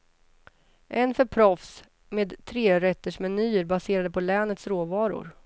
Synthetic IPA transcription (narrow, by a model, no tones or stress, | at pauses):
ʔɛnfœɾpʰɾɔfs | meːd̪t̪ʰːɾeːɾɛt̪ːəʂmɛnyːəɾbaseːɾad̪əpʰɔlɛːnət̪sɾoːvɑːɾʊ̰ɾ